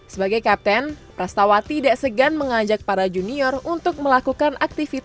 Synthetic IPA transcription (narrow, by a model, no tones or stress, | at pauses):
səbaɡajkap̚t̪ɛnpɾast̪awat̪idaʔsəɡanməŋaɲd͡ʒak̚paɾad͡ʒuniɔrunt̪ʊk̚məlakukanʔak̚t̪ifit̪